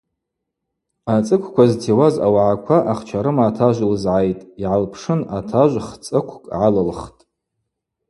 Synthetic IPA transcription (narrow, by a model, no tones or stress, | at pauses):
at͡sʼɨkʷʰkʷaztʰewaza̰waʕakʷʰaʔaχt͡ʃʷʰaɾɨmaːtʰaʒʷlzʕajtʼiʕalpʰʂɨnatʰaʒʷχt͡sʼɨkʷʰkʼʕalɨlχtʼ